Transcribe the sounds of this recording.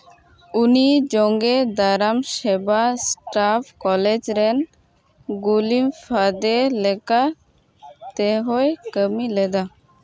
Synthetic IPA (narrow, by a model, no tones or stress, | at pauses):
unid͡ʒɔŋɡed̪aɾamʃebasʈapʰkɔled͡ʒɾɛn | ɡulimfʰad̪elɛka | t̪ɛɦojkəmilɛd̪a